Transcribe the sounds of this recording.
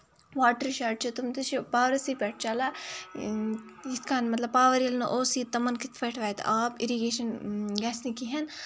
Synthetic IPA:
ʋaːʈɐɾʃaːɾʈ̚t͡ʃɐt̪umt̪ɨʃpaːʋɾɐsiːpɛʈ̚ʰt͡ʃaːla | it̪kaːnmɐt̪lɐb̚paːʋɐɾijɐlnɐʔoːsit̪ːɐmːɐnkit̪ʰpɐʈʰʋaːjt̪ʔaːbiɾiɡeːʃɐnɡaːsnikiɦɐn

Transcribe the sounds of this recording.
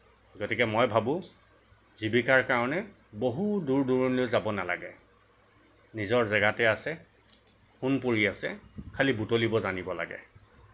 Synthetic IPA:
ɡotikɛmojbʱabʊ̃ | zibikaɹkaɹɔnɛ | boɦuduɹduɹunlojzabɔnala̰ɡɛ̰ | nizɔɹzɛɡatɛasɛ | xunpoɹiasɛkʰalibutolibɔzanibɔla̰ɡɛ̰

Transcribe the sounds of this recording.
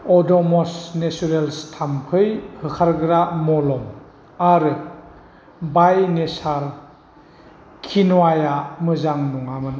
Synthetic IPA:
ɔdɔmɔsnesuɾelstʰamkʰɯjhɯkʰaɾɡɯɾamɔlɔm | aɾɯ | bajnesaɾ | kʰinuwajamɯzaŋnuŋamɯn

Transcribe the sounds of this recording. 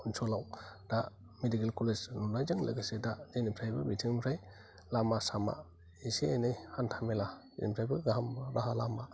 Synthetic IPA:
unsʰɔlawd̥a | medikelkʰoled͡ʒnɔnajd͡ʒɯŋla̰ɡasedad͡ʒenipʰɾajbɯbitʰiŋpʰɾaj | lamasama̰ | isianajhantʰamela | ḛnipʰɾajbɯɡaɦamɾʔaɦalama

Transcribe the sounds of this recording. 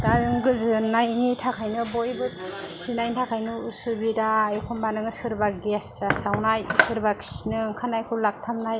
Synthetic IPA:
daɯŋɡɯzɯnajŋitʰakʰajnɯbojbɯsinajntʰakʰajnɯusubidaːjkʰɔmbanɯŋɯsɯɾbaɡesːasawnajsɯɾbakʰi̥snɯkʰanajkʰulak̚tʰamnaj

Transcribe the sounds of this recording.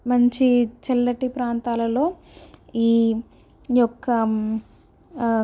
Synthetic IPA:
mɐɲt͡ʃit͡ʃɛlːɐʈipɾaːnt̪aːlɐlo̞ː | iː | jɔkːɐ

